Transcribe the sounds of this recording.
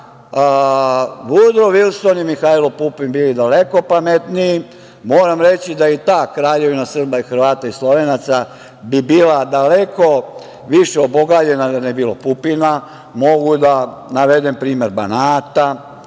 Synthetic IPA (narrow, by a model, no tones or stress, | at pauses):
ʋud̪ɾoʋilˠsonjimixaːilopupinbilid̪aleko̞pamet̪niː | mo̞ːɾamɾe̞t͡ɕid̪ajit̪aːkɾaːʎe̞ʋinasr̩baixr̩ʋaːt̪aislˠo̞ʋeːnat̪sa | bibiːlad̪aleko̞ | ʋiʃeoboɡad͡ʑe̞nad̪anebilˠopupina | mo̞ɡud̪a | naʋed̪empɾiːme̞ɾbanaːt̪a